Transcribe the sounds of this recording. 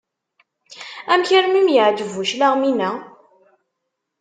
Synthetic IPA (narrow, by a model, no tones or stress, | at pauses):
æmçəɾmimjəʕd͡ʒəvuʃlaʁminæ